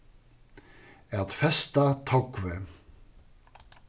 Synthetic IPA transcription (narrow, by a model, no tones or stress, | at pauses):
ɛt̪fɛst̪at̪ʰɔkvɛ